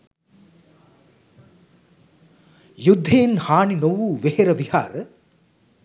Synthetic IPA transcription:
jud̪ʱːejnhaːninoʋuːʋeheɾɐʋiha̰ːɾə

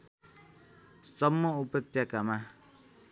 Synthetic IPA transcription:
sʌmːʌupʌt̪jakama

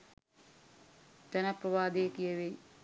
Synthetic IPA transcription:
d͡ʒ̪ɐnɐpɾɐʋaːd̪eːkijəʋe

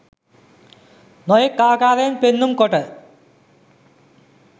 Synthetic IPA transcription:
nojekːaːkaːðenpenːumkoʈːɐ

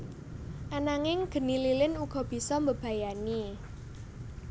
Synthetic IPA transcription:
ʔanaŋɪŋɡ̥ə̤nililɪnuɡ̥ɔ̤b̥i̤sɔmbəb̥a̤jani

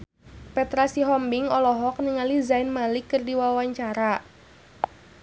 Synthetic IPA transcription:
pɛt̪ɾasiɦɔmbiŋɔlɔɦɔk̚niŋalizaɪnmalikːɨrdiwawaɲt͡ʃaɾa

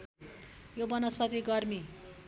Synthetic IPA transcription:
jobʌnʌspʰʌt̪iɡʌrmi

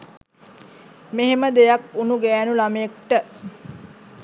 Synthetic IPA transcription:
meɦeməd̪ejakunuɡɛːnulaməjek̚ʈə

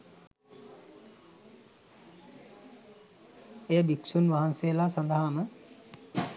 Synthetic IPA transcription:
ejəbiksunʋaɦansejəlasand̪aɦamə

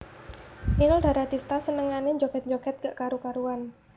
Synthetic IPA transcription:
ninɔld̥aɾad̪ist̪asənəŋaneɲd͡ʒokɛt̪̚ɲd͡ʒokɛt̪̚kəʔkaɾukaɾuan

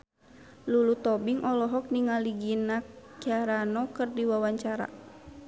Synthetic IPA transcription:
lulut̪ɔbiŋʔɔlɔɦɔk̚niŋaliɡinakaɾanɔkɨrdiwawaɲt͡ʃaɾa̰

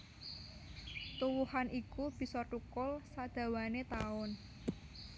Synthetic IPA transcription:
t̪uwuhanʔikub̥i̤sɔʈukʊlsad̪̥ä̤wanet̪aʊn

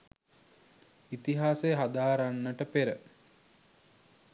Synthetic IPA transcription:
it̪iɦaːseɦad̪aːɾanːəʈəpeɾə

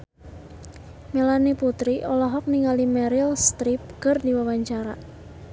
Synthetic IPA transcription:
melaniput̪ɾiʔɔlɔɦɔk̚niŋalimɛɾilst̪ɾip̚kərdiwawaɲt͡ʃaɾa̰

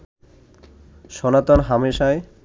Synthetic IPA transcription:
ʃɔnat̪onɦameʃae

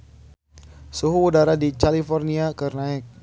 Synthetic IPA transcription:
suɦuːdaɾadit͡ʃalifɔrniakərnaɛk̚

